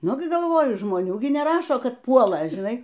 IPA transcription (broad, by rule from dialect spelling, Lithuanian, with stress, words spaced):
ˈnʊ ɡʲɪ ɡɐlˠˈʋoːjʊ ʒmoːˈnʲuː ˈɡʲɪ nʲɛˈrɑːʃoː ˈkɐt ˈpuɔlˠɐ ʒʲɪˈnɐɪ